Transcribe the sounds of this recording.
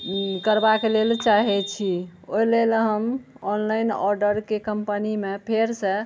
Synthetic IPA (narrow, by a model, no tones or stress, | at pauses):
kəɾbakelelt͡ʃaɦɛt͡ʃʰioilelɦəm | ɔnlajnɔɾɖəɾkekəmpənimepʰeɾsə